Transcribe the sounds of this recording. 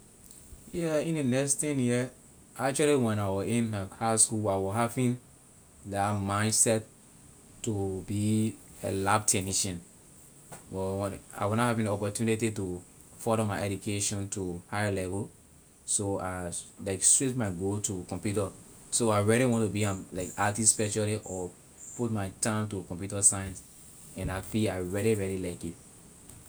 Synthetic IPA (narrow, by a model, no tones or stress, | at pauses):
jɛĩndenɛkstĩnhi | ak̚t͡ʃualiwɛ̃naɪwɔĩnahaskulaɪwɔɦavĩn | damãɪ̃ndsɛt | tːubiḛlabtʰɛniʃɔ̃n | bɔwɔ̃a̰ɪwɔnahavĩniɔpɔtjunititu | fɔɾɔmaɪɛdukʰeʃɔ̃ntuhajəlɛvəl | soalaɪkstɹitmaɡotukɔ̃mpjutə | soaɪɹɛliwɔ̃ntubiãmlaɪkatispɛt͡ʃaliʔɔ | put̚maɪtãmtukɔ̃mpjutəsãjɛ̃ns | ɛ̃nafiaɪɹɛliɹɛlilaɪki